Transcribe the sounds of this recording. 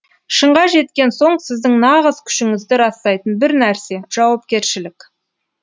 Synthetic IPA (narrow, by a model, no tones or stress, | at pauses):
ʃəɴʁɑʒe̞t̪kʲe̞nso̞ɴsɪzd̪ɪŋnɑʁəzkʲʰʏ̥ʃɪŋɪzd̪ɪɾɑst̪ɑjt̪ənbɪɾnæɾse̞ʒ̥ɑwɑp̚kʲe̞ɾʃɪlɪkʲ